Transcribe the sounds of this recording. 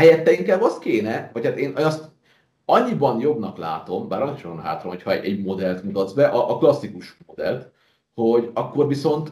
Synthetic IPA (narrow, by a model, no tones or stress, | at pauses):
hɛjɛt̪ːɛiŋkaːbɒst̪keːnɛvɒchaːt̪eːnɒst̪ | ɒɲːibɒnjo̞bnɒkla̰ːt̪o̞mbaːɾɒnkiʃokonɦa̰ːt̪romho̞cʰhɒɛ̰ɛɟmo̞d̪ɛlt̪mut̪ɒd̪zbɛʔɒʔːklɒsːikuʃmod̪ɛ̰lt̪ | hoɟɒkːo̞rviso̞nt̪